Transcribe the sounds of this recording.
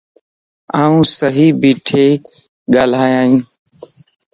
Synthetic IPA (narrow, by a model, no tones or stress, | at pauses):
aːũːsəɦiːbiːʈʰeː | ɠaːl̤aːjãːĩː